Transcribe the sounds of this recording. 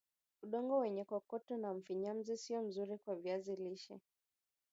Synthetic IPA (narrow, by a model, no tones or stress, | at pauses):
uɗɔŋɡɔwɛɲɛkwakɔtɔnam̩fiɲam̩zisiɔm̩zuɾikwavjaziliʃɛ̰